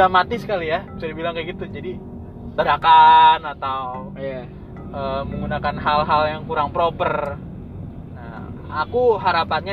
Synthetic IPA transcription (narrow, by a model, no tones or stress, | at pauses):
amat̪isə̥kalijabt͡ʃuɾibilaŋkaɡit̪ud͡ʒadi | t̪ədakanat̪aw | ja | əməŋɡunakanɦalɦaljaŋkuɾaŋpɾopər | na̰ | akuɦaɾapanɲa